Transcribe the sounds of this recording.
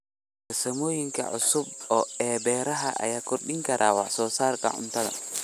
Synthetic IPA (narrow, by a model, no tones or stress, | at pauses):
ɔsamojiŋka̰ʔɔsubɔɛbɛɾaɦaʔa̰jakoɗiŋkaɾʔawasɔsaɾka̰ʔṵmtaɗa̰